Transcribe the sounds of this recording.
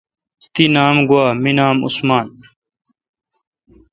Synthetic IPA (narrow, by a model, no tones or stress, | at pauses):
t̪inaːmɡwaːminaːmṵsmaːn